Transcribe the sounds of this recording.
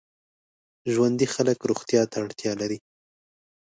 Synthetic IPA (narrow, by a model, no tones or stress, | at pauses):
ʒwand̪ixaləkɾuɣt̪jɑt̪aːɽt̪jɑlaɾi